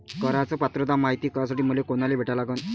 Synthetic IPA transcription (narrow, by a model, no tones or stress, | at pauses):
kəɾat͡səpat̪ɾəd̪amaɦit̪iːkas̬aʈiːm̤əlekoñalebʱeʈalaɡən